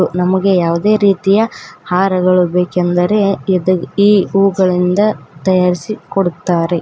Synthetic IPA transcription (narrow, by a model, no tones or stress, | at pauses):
unɐmɐɡe̞jaːʋud̪e̞ːɾiːt̪ijɐhaːɾɐɡɐɭubeːkend̪ɐɾe̞id̪ɐiːuːɡɐɭind̪ɐt̪ɐjaːɾisikoɽut̪ːaːɾe̞